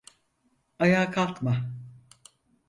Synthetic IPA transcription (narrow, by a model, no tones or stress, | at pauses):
ajaːkʰalˠkma